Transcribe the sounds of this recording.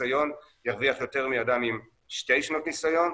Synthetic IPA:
ajo̞njaʁviaχjo̞te̞ʁmiadamim | ʃte̞jʃno̞tnisajo̞n

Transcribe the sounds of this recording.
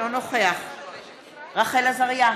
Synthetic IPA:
onoχeaχ | ʁaχelazaʁja

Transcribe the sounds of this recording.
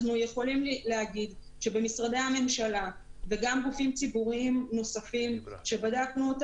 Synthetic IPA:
nuje̞χo̞limleaɡid | ʃe̞be̞misʁadehame̞mʃalave̞ɡamɡufimt͡sibuʁiimno̞safimʃe̞badaknuot

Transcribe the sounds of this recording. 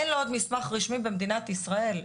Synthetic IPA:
enlood̪mismaχʁiʃmibe̞md̪inat̪isʁae̞l

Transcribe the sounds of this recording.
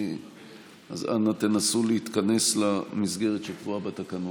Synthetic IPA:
a̰za̰nat̪enasuleit̪kane̞slamisɡe̞ʁet̪ʃekvuabat̪akano

